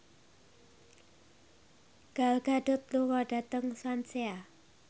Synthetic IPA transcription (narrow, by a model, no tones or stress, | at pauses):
ɡ̥alɡ̥aɖʊ̤t̪̚lukɔɖ̥a̤t̪əŋswansea